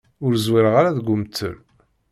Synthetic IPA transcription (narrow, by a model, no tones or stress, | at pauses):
ʊɾzwɪɾəʁaɾaðɡʷʊmt̪ʰːə̰l